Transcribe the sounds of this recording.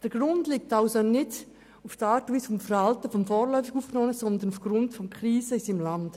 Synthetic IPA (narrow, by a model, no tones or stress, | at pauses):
d̥əɾɡ̥ɾʊndlik̚taʊsonɪd | ʊftaːɾtiːsfɔmfəɾhaltəfɔmfɔːɾlœʏfɪɡuːfnɔməsɔnd̪ənufɡ̥ɾʊndfɔmkʰɾiːsəɪsɪmland̥